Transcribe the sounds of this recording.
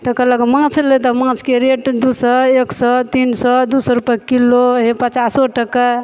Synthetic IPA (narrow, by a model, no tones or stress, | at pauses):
t̪əkələkmãt͡ʃʰlet̪ɔmãt͡ʃkeɾeʈd̪usəeksɔt̪insɔd̪usəɾupkiloɦepət͡ʃasoʈəka